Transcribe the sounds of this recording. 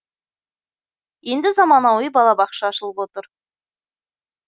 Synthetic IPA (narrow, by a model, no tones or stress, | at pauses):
je̞nd̪ɪzɑmɑnɑwijbɑlˠɑbɑqʃɑːʃəlˠəpwo̞t̪əɾ